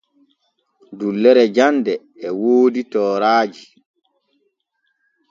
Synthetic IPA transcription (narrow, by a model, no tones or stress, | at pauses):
dulːɛɾɛd͡ʒandɛː | woːditɔːɾaːd͡ʒi